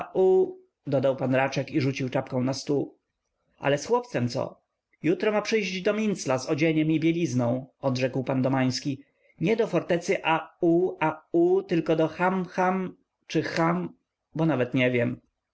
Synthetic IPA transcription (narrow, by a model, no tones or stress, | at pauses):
ʔu | d̪ɔd̪awpanɾat͡ʂɛkiʐut͡ɕiwt͡ʂapkɔ̃w̃nast̪u | ʔa̰lɛsxwɔp̚t̪sɛmt̪sɔ̰ | jut̪ɾɔmapʂɘjʑd͡ʑd̪ɔmʲint̪slazɔd͡ʑeɲɛmibʲjelʲiznɔ̃w̃ɔd̪ʐɛkwpand̪ɔmaj̃skʲi | ɲɛd̪ɔfɔɾt̪ɛt̪sɘʔauaut̪ɘlkɔd̪ɔxamxam | t͡ʂɘxam | bɔnavɛt̪ɲɛvʲjɛm